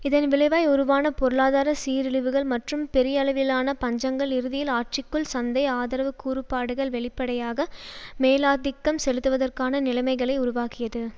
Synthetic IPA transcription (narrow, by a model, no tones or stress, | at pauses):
ɪðɐnʋɪlɐɪʋaːjɔɾɯʋaːnɐpɔɾɯɭaːðaːɾɐsiːɾɪɭɯʋɯɣɐɭmɐʈrɯmpɛɾɪjɐlɐʋɪlaːnɐpɐɲd͡ʒɐŋɡɐɭɪɾɯðɪjɪlaːʈ̚t͡ʃɪkːɯɭsɐnd̪ɐɪaːðɐɾɐʋɯkːuːɾɯpːaːɽɯɣɐɭʋɛɭɪpːɐɽɐjaːɣɐmeːlaːd̪ɪkːɐmsɛlɯt̪ːɯʋɐðɐrkaːnɐnɪlɐɪmɐɪɣɐɭɐɪʊɾʊʋaːkɪjɐðɯ